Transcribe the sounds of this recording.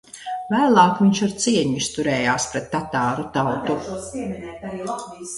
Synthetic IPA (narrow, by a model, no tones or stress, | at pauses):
væːlˠɑːkviɲʃaɾt̪siɛɲust̪uɾɛːjaːspɾɛt̪ːat̪aːɾut̪awt̪uɛminɛtaɾilˠat̪vi